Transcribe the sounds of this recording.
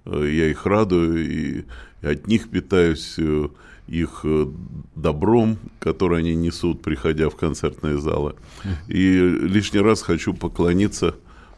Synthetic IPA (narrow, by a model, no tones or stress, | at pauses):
jaixrad̪ʊjʊḭɐt̪ʲnʲixpʲɪt̪ajʊsʲ | ix | d̪ɐbɾo̞mkɐt̪o̞ɾɨjɐnʲinʲɪsut̪̚pɾʲɪxɐdʲafkɐnt̪sert̪nɨjəza̰lˠɨ̰ | ilʲiʂnʲɪjɾasxɐt͡ɕupəklˠɐnʲit̪sːə